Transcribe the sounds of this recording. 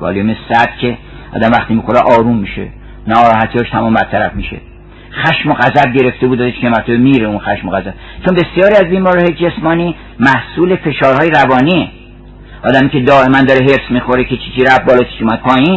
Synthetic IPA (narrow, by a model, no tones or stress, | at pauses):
vɒ̰ːljumesæd̪̥cʰe̞ | ʔɒ̰ːd̪æmvæχt̪imixoɾeʔɒːɾumːiʃḛ | nɒɾɒːhæt̪ʰiɒːʃt̪ʰæmɒːmbæɾt̪ʰæɾæfmiʃḛ | xæʃmoɣæzæb̚ɟe̞ɾe̞ft̪e̞bud̪ɒzeʃkʰʲemæɾt̪ʰomiɾeunxæʃmoɣæzæb̥̚ | t͡ʃʰonbe̞sijɒːɾiæzbiːmɒːɾihɒːjed͡ʒesmɒːniː | mæhsuːle̞fe̞ʃɒːɾhɒːjeɾævɒːniːe | ɒːd̪æmiːcʰed̪ɒːe̞mænd̪ɒːɾeɦeɾsmixo̞ɾekʰet͡ʃʰiːt͡ʃʰiɾæfbɒːlɒːt͡ʃʰi̥ʃumæd̪̥̚pʰɒːjin